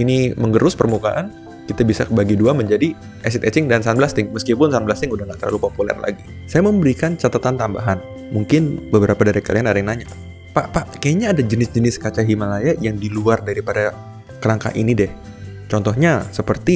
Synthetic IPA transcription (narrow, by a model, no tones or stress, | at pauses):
iniməŋɡəɾʊspərmuka̰ʔan | kit̪abisa̰kbaɡiduaməɲd͡ʒadi | ʔɛsɪt̪ɛt͡ʃɪŋdansanblast̪ɪŋməskipʊnsanblast̪ɪŋudahŋat̪əla̰lupopulɛ̰rla̰ɡi | sajaməmbəɾikant͡ʃat̪at̪ant̪amba̰ɦan | muŋkɪnbəbəɾapadaɾakalianaɾɛŋnaɲa | paʔpaʔkajaɲaːdad͡ʒənɪsd͡ʒənɪskat͡ʃaɦimalajajaŋdiluardaɾipada | kəɾaŋka̰ʔinidɛh | t͡ʃɔnt̪ɔhɲasəpərt̪i